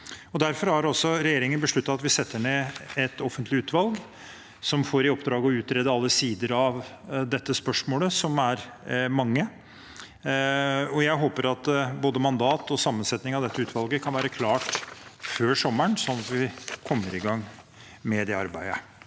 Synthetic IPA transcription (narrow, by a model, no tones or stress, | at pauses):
ɔd̪æɾfɔɾhɑɾɔsɔɾɛjeːɾɪŋənbəʂɭʉt̪ːɑɑt̪ʋɪsɛt̪ːəɳeːɛt̪ɔfənt̪lɪʉːt̪ʋɑlɡ | sɔmfoːɾɪɔpd̪ɾɑːɡəɔʉːt̪ɾeːd̪əɑlːəsiːd̪əɾɑʋ | d̪ɛt̪ːəspœʂmoːləsɔmæɾ | mɑŋːə | ɔjæɪɦoːpəɾɑt̪boːd̪əmɑnd̪ɑːt̪ɔsɑmːənsɛt̪nɪŋɑʋd̪ɛt̪ːəʉːt̪ʋɑlɡəkʰɑnʋæːɾəkʰlɑːʈføːʂɔmːəɳsɔnːɑt̪ʋɪkʰɔmːəɾɪɡɑŋː | med̪ɛɑɾbæɪə̰